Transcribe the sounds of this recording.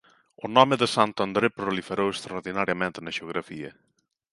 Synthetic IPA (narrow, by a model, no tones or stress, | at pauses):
onɔmeðəsant̪and̪ɾepɾolifeɾowekst̪ɾaoɾðinaɾjamẽnt̪nəʒeoɣɾafiɐ̰